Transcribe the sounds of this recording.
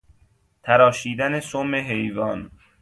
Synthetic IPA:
t̪ʰæɾɒːʃiːd̪ænesomeɦejvɒːn

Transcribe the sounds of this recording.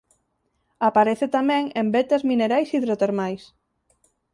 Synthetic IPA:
apaɾeθet̪amɛ̃ŋembet̪ezmĩneɾajsiðɾot̪eɾmajs

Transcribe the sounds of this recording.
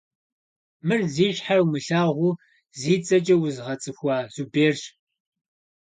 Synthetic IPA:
mɨrziːɕħarwmɨɬaːʁʷʊː | ziːt͡sʼɐt͡ʃʼɐwʊzʁɐt͡sʼɨxʷɑːzubeːrɕ

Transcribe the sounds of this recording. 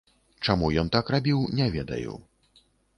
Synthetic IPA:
t͡ʂamujɔnt̪akrabʲiwnʲɛvʲɛd̪ɐ̰jṵ

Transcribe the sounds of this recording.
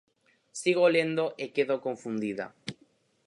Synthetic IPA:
siɣ̞olend̪oʔekeðokoɱfund̪iða̰

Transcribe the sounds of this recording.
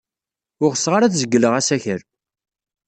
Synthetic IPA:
ʊʁəsːʁaɾaθzəɡːələʁæsæçəɾ

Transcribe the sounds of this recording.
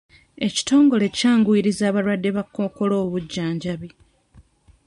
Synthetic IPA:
e̞ci̥to̞ːŋɡo̞le̞caːŋɡwiɾizaːβaɾwadːe̞βakːoko̞lo̞ːβuɟːaːɲɟaβi

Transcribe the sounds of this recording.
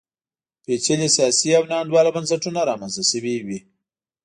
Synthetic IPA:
pet͡ʃelisjɑːsiawnɑːnd̪wɑːlabɐnsaʈunaɾɑːmanzasəwiwi

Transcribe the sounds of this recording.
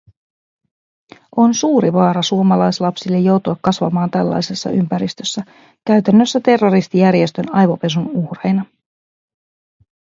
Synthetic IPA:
ʔo̞nsuːɾiʋɑːɾɑsuomɑlɑjslɑpsilːe̞jo̞wt̪uɑkːɑsʋɑmɑːnt̪ælːɑ̰jse̞sːɑ̰ʔympæɾist̪øsːæ | kæɥt̪ænːø̞sːæt̪e̞rːo̞ɾist̪ijæɾje̞st̪ønɑjʋope̞s̬unuhrejnɑ

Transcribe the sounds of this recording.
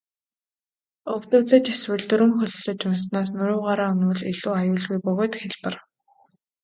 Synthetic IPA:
ɵwt̪ʊ̆ːɮə̆t͡ɕaswɘ̆ɮt̪ɵɾɘ̆mxɵɮɵɮɵ̆t͡ɕʊnsnaːs̬nʊɾʊːʁaːɾaːʊnwʊ̆ɮiɮuːajʊːɮɣujpɵɣoːt̪xeɮpə̆r

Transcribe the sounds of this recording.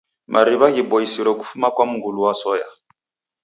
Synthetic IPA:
mʔaɾiβaɡiboisiɾɔk̬u̥fumakwamuɡuluwasɔːja

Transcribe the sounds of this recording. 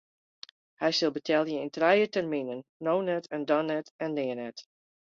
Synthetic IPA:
hɛjsɪlˠbətʰɛlˠjəɪntrɛjətɛrminənːownɛtɛndɔnɛtɛnːɪənɛt

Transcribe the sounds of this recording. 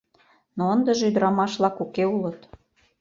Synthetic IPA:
noənd̪ə̆ʒeyd̪əɾɑmɑʃlɑkukeulə̆t̪

